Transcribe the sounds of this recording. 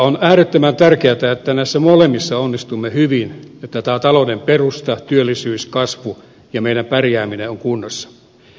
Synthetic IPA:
onæːɾet̪ːømænt̪ærkeæt̪æet̪ːænæisːæmolemːisːɑonːist̪umːehyʋinet̪ːæt̪æːt̪ɑlonemperust̪ɑt̪yølːisyːskɑsʋu | jɑmeidæmpærjæːmineoŋkunːosːɑ̥

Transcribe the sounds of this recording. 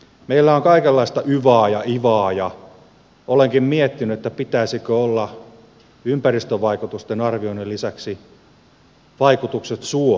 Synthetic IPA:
meilːæoŋkɑikelːɑist̪ɑʔyʋɑːjɑʔiʋɑːjɑ | oleŋkimmiet̪ːinyet̪ːæpit̪æisikøolːɑ | ympærist̪øʋɑikut̪ust̪enɑrʋioinelːisæksi | ʋɑikut̪ukset̪suo

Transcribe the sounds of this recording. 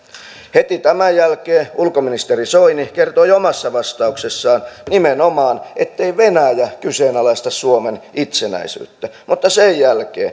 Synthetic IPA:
het̪it̪æmæjjælkeːulkominist̪erisoinikert̪oiomɑsːɑʋɑst̪ɑuksesːɑːnnimenomɑːnʔet̪ːeiʋenæjækyseːnɑlɑist̪ɑsuomenit̪senæ̰isy̰ːt̪ːæmut̪ːɑsejjælkḛː

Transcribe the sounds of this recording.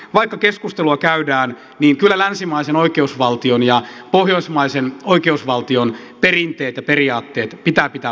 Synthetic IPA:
ʋɑikːɑkeskust̪eluɑkæydæːn | niːŋkylːælænsimɑisenoikeusʋɑlt̪ionjɑpohjoismɑisenoikeusʋɑlt̪ion | perint̪eːt̪jɑperiɑːt̪ːeːt̪pit̪æːpit̪æ

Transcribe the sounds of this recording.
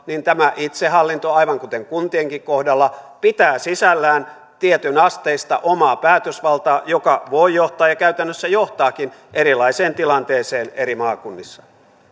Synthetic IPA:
nint̪æmæʔit̪sehɦɑlːint̪oɑiʋɑŋkut̪eŋkunt̪ieŋkikkohdɑlːɑpit̪æːsisælːæːn | t̪iet̪ynɑst̪eist̪ɑ̰ʔomɑːpæːt̪øsʋɑlt̪ɑːjokɑʋoijoht̪ɑːjɑkæyt̪ænːøsːæjoht̪ɑːkinʔeɾilɑiseːnt̪ilɑnt̪eːseːneɾimɑːkunːisːɑ̥

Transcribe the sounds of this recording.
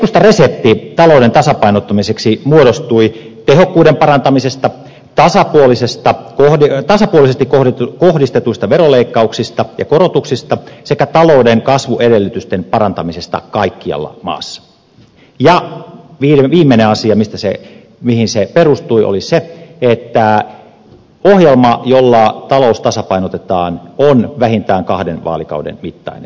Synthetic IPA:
kust̪ɑreset̪ːit̪ɑloˑudent̪ɑsɑpɑinot̪ːɑmiseksimuoɾost̪ui | t̪ehokːuːdempɑrɑnt̪ɑmisest̪ɑ | t̪ɑsɑpuolisest̪ɑkohit̪ɑsɑpuolisest̪ikoht̪kohdist̪et̪uist̪ɑʋeroleikːɑuksist̪ɑjɑ̰korot̪uksist̪ɑsekæt̪ɑloudeŋkɑsʋuʔedelːyt̪yst̪enpɑrɑnt̪ɑmisest̪ɑ̰kɑikːiɑ̰lːɑ̰mɑ̰ːsːɑ̥ | jɑʋiːʋiːmːeneɑsiɑmist̪æsḛ | mihinseperust̪uiʔo̰liseet̪ːæ | ohjelmɑjolːɑt̪ɑloust̪ɑsɑpɑinot̪et̪ɑːnonʋæɦint̪æːŋkɑhdenʋɑ̰ːlikɑ̰udḛnmit̪ːɑ̰inḛn

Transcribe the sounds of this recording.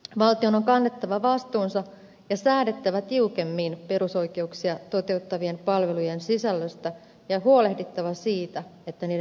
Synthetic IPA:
ʋɑlt̪ionoŋkɑnːe̞t̪ːɑʋɑʋɑst̪uːnsɑ | jɑsæːde̞t̪ːæʋæt̪iuke̞mːiːnpe̞ɾuso̞ike̞uksiɑt̪o̞t̪e̞ut̪ːɑʋie̞mpɑlʋe̞lujensisælːøst̪æ | jɑɦuole̞hdit̪ːɑʋɑsiːt̪æe̞t̪ːæniː

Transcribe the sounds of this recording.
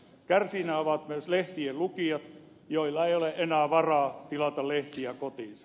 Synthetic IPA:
kærsinæːoʋɑt̪myøsleht̪iellukiɑt̪ | joilːɑeioleʔenæːʋɑrɑːt̪ilɑt̪ɑlleht̪iækot̪iːnsɑ̥

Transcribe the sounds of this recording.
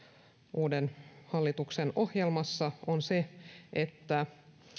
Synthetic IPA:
ʔuːdenhɑlːit̪ukseno̞hjelmɑsːɑonse̞ʔet̪ːæ

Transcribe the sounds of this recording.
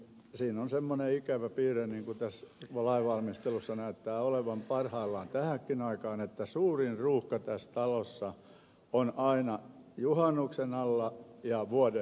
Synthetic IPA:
siːnonsemːoneikæʋæpiːreniːŋkut̪æsʋɑlɑiʋʋɑlmist̪elusːɑnæyt̪ːæːoleʋɑmpɑrhɑilːɑːnt̪æhækːinɑikɑːnet̪ːæsuːrinruːhkɑt̪æst̪ɑlosːɑ | onɑinɑjuhɑnːuksenɑlːɑjɑʋuode

